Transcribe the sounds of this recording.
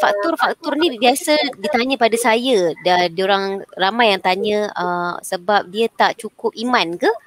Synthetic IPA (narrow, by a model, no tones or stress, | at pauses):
fak̚t̪ʊrfak̚t̪ʊrnibiasədit̪aɲə̃padasajədadioɾaŋramajːaŋt̪aɲə̃əsəbap̚diət̪aʔt͡ʃukʊp̚imãnka